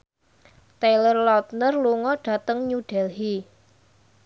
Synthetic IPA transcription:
t̪elərlɔt̪̚nərluŋɔɖ̥ä̤t̪əŋɲuɖ̥ɛlɦi

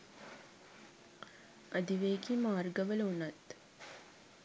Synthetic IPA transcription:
ɐd̪iʋeːkimaːrɡəʋəlunɐt̪

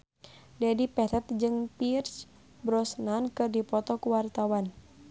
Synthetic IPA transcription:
dɛdipɛt̪ɛt̪̚d͡ʒɨŋpirt͡ʃ | bɾɔsnankɨrdipɔt̪ɔkuwart̪awan

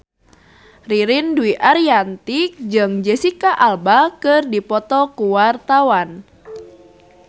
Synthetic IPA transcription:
riɾɪnduiʔaɾiant̪ɪk̚d͡ʒɨŋd͡ʒɛsikaʔalbakɨrdipɔt̪ɔkuwart̪awan

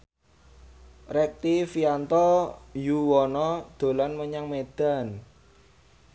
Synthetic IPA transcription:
rɛk̚t̪ifiant̪ɔjuwɔnɔd̪̥o̤lanməɲaŋmed̪̥a̤n

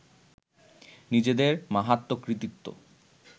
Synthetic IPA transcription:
nid͡ʑed̪eɾmaɦat̪ːokɾit̪ikt̪ːo̰

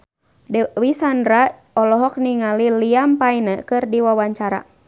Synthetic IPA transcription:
dwisandɾa | ɔlɔɦɔk̚niŋaliliampainəkɨrdiwawaɲt͡ʃaɾa̰

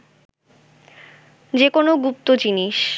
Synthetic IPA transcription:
d͡ʑekonoɡup̚t̪od͡ʑiniʃ

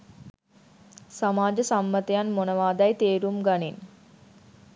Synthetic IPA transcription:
samaːd͡ʒəsamːət̪ejanmonəʋaːd̪ɐjt̪eːɾumɡanin

